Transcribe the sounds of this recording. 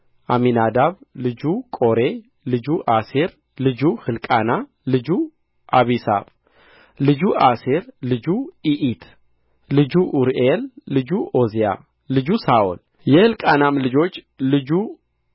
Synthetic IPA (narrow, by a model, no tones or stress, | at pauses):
ʔaminad̪aβlɨd͡ʒukʼo̞ɾe̞ | lɨd͡ʒuʔaseɾ | lɨd͡ʒuhɨlkʼana | lɨd͡ʒu | ʔaβisa̰β | lɨd͡ʒuʔaseɾlɨd͡ʒuiʔit̪ʰ | lɨd͡ʒuʔuɾʔelːɨd͡ʒuʔo̞zija̰ | lɨd͡ʒusaʔṵl | jɛhɨlkʼanamlɨd͡ʒo̞t͡ʃː | lɨd͡ʒu